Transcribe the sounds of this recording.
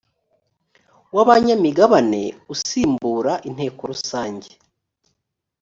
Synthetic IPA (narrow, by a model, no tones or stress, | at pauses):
waβaɲamiɡaβane̞̰usiːmbuːɾaʔin̥he̞ːko̞ɾusaːɲɟe